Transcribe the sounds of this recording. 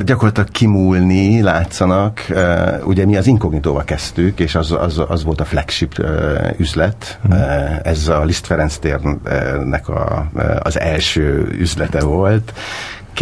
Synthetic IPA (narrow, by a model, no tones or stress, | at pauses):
ɟɒkorlɑt̪lɒkkimuːlnilaːt̪sɒnɒkṵɟɛmiɒziŋkoɡnit̪oːvɒlkɛst̪ykeːʃɒzɒ̰zɒ̰zʋo̞lt̪ɒflɛkʃipːyzlɛt̪ | ɛzɒlist̪fɛɾɛnst̪eːrnɛ̰kɒ̰ɒ̰zɛlʃøːyzlɛt̪ɛvo̞lt̪